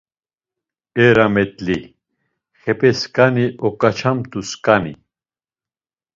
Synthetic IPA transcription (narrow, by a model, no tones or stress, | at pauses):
ɛɾamɛt̪ʼli | χɛpʼɛskʼaniʔɔkʼat͡ʃʰamt̪ʼuskʼani